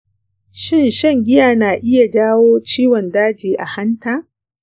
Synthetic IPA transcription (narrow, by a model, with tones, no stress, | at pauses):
ʃɪ˦˨nʃɐ˦˨ŋɡʲɪ˦jaː˨naː˨ʔɪ˦ja˨d͡ʒaː˦woː˦t͡ʃiː˦wɔ˨ndaː˦d͡ʒiː˨ʔa˨ha˦ntaː˨